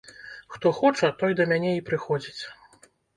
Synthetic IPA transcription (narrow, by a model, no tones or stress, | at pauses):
xt̪ɔxɔt͡ʂɐt̪ɔjd̪ɐmʲanʲɛipɾɨxɔd͡zʲit͡sʲ